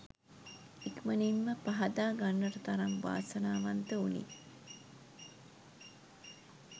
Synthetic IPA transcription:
ikmənimːəpaɦad̪aːɡanːəʈət̪aɾaŋʋa̰ːsənaːʋant̪əunḭ

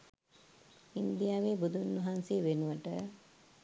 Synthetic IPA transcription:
ind̪ijaʋeːbud̪unːɐɦanseʋenuʋəʈə

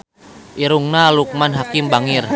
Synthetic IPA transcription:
ʔiɾuŋnaluk̚manɦakɪmbaŋɪr

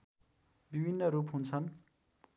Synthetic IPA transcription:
bibʱinːʌɾupɦunt͡sʰʌn

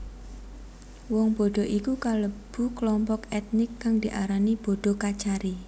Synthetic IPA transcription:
wɔŋb̥o̤ɖ̪̥ɔ̤ʔikukaləb̥ṳklɔmpɔkɛt̪̚nɪkːaŋd̪̥i̤ʔaɾanib̥o̤ɖ̪̥o̤kat͡ʃaɾi

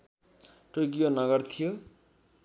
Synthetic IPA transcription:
ʈok̬ionʌɡʌrt̪ʰijo

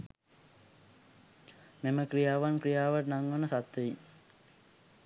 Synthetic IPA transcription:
meməkrijaːʋankrijaːʋəʈnaŋʋənəsat̪ʋei

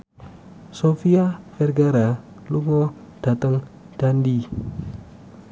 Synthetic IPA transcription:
sofiafɛrɡaɾa | luŋɔ | d̥at̪əŋ | d̥andi

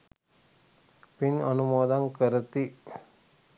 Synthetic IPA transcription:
pinənumoːd̪aŋkəɾət̪i

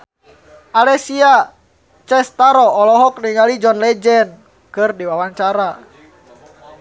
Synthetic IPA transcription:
alɛsia | t͡ʃɛst̪aɾɔːlɔɦɔk̚niŋalid͡ʒɔnlɛd͡ʒɛn | kɨrdiwawaɲt͡ʃaɾa

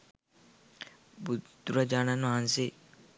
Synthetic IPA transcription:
bud̪uɾad͡ʒaːnanɦãnse

